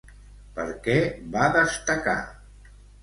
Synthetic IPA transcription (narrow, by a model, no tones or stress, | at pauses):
pəɾkɛβaðəst̪əka̰